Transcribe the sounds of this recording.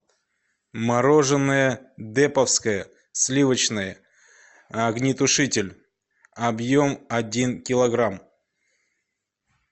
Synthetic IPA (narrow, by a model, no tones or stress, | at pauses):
mɐɾo̞ʐɨnːəjəd̪ɛpəfskəjə | sʲlʲivət͡ɕnəjə | ɐɡnʲɪt̪ʊʂɨtʲɪlʲ | ɐbjo̞mɐdʲinkʲɪlˠɐɡɾam